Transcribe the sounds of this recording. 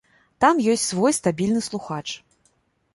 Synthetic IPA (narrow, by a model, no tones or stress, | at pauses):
t̪amjɔsʲt͡sʲsvɔjst̪abʲilʲnɨslˠuxat͡ʂ